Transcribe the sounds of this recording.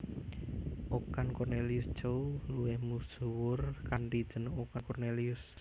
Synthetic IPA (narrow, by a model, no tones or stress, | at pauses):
ʔokankɔrneliʊsd̥ʒ̥owluwɪhmusuwʊrkaɳʈid̥ʒ̥ə̤nokankɔrneliʊs